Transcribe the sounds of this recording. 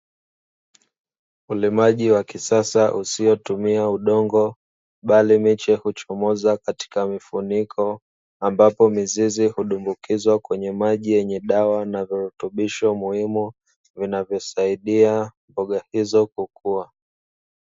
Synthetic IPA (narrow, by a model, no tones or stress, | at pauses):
ulimaʄiwakisasaʔusiɔtumiauɗɔŋɡɔ | ɓalimit͡ʃɛhut͡ʃɔmɔzakati̥kamifunikʰɔ | ambapɔmizizihuɗumbukizwakwɛɲɛmaʄijɛɲɛɗawanaviɾutuɓiʃɔmuhimu | vinavjɔsaiɗiambɔɠahizɔkukua